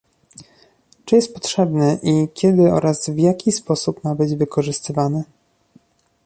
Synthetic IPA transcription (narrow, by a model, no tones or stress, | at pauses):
t͡ʂɘjɛst̪̚pɔtʂɛbnɛʔikʲɛd̪ɘɔ̰ɾazvjakʲʰispɔsupmabɘd͡ʑvɘkʰɔʐɘst̪ɘvanɘ